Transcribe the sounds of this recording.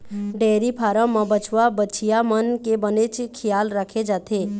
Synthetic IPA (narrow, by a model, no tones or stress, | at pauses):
ɖeːɾipʰaːɾə̃mãbət͡ʃʰwabəːt͡ʃʰijamənkebənet͡ʃkʰɪjaːlɾəkʰed͡ʒaːt̪ʰeː